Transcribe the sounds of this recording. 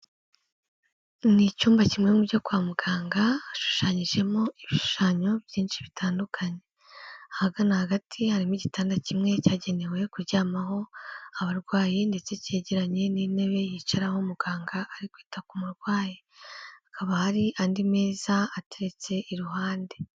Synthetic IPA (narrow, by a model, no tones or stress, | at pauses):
nicuːmbacimŋe̞mubɟo̞kwaːmuɡaːŋɡaːʃu̥ʃaɲiʒe̞mo̞iβiʃʃu̥ʃaːɲo̞bjiːnʃiβitʰaːndukʰaɲe̞ | ahaɡanahaɡatʰihaɾimuɟitaːndacimŋe̞caːɟe̞ne̞we̞kuɾɟaːmaɦo̞aβaɾɡwaːjinde̞t͡se̞ce̞ːɟeɾaɲe̞nine̞βe̞jiːt͡ʃaɾahomuɡaːŋɡaʔːɾikwiːtakumuɾɡwaːji | akʰaβahaɾiʔaːndime̞ːzaːte̞ɾe̞t͡se̞ʔiɾuɦaːnde̞